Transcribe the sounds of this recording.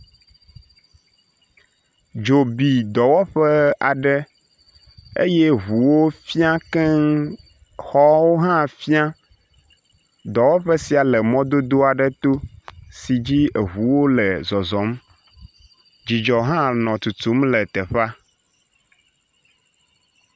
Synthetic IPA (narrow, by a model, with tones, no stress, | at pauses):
d͡ʒo˨bi˨d̪ɔ˨wɔ˦ɸɛ˦a̰˨ɖɛ˦ | ḛ˦jɛ˦ɦu˨wo˦fi˦ã˦kɛ˦ | xɔ˦wo˦ɦã˦fi˦ã˦ | d̪ɔ˨wɔ˦ɸɛ˦si˨a˨lɛ˨mɔ̃˦d̪o˦d̪o˦a˨ɖɛ˦t̪o˦si˨d͡ʑi˦e˨ɦu˨wo˦lɛ˨zɔ˨zɔ˨˦m | d͡ʑi˨d͡ʒɔ˨ɦã˦nɔ̃˨t̪u˨t̪u˨˦mlɛ˨t̪ɛ˨ɸa˦